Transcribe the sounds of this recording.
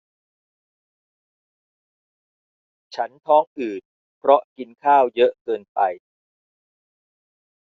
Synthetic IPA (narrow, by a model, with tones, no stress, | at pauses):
t͡ɕʰa˦˥nt̪ʰɔː˦˥ŋʔɯː˨˩t̪̚ | pʰɾɔ˦˥ʔki˧nkʰaː˥˩wjɤ˦˥ʔkɤː˧npa˧j